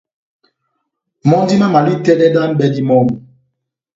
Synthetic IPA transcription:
mɔ˦n˦di˦ma˦ma˨li˦˨tɛ˦dɛ˦da˦nbɛ˦di˦mɔ˦m˨

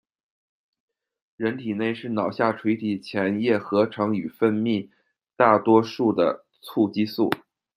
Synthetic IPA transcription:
ɻə˧˥nt̪ʰi˨˩ne˥˧ɪʂɻ̩˥˩nɑ˨˩ʊɕja˥˩ʈ͡ʂʰwe˧˥ɪt̪ʰi˨˩t͡ɕʰjɛ˧˥njɛ˥˩xɤ˧˥ʈ͡ʂʰɤ˧˥ŋy˨˩fə˥˧nmi˥˧ | t̪a˥˩t̪wɔ˥ʂu˥˩d̪ə̰˩ | t͡sʰu˥˩t͡ɕi˥su˥˩

